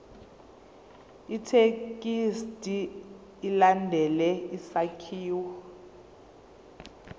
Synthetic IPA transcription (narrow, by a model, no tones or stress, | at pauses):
itʰekʼistʼiː | landʱɛlɛisakʰiːwu